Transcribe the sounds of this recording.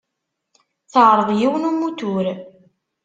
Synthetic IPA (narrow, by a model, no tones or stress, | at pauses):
θəʕɾˤəðˤjiwnumut̪ʊɾ